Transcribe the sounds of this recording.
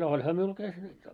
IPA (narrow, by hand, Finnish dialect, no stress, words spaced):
no olʲhɑ miul tæs nyt jo